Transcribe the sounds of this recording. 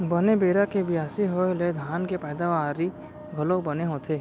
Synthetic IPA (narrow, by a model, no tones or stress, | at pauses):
bənebeːɾakebɪjaːsiɦoled̪ʱaːnkepəɪd̪aʋaːɾi | ɡʱɐlobɐneɦoːt̪ʰeː